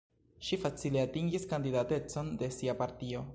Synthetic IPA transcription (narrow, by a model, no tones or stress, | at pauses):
ʃifat͡sileatiŋɡiskandidate̞t͡so̞nde̞siapaɾtio̞